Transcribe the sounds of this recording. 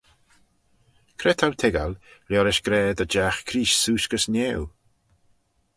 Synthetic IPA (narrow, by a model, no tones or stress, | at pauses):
kʰɾɛt̪ʰawt̪ʰɛɡalljɔɾɪʃɡ̥ɾɛːd̪əd͡ʒaxkʰɾiːʃsuːʃkəsneːw